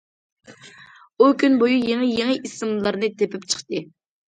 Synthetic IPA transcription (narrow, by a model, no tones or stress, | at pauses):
ukʲʰynbojujeŋɨjeŋɨʔisɨmlˠɨlˠɑɾnɨt̪ʰepɪpt͡ʃʰə̥χt̪ɨ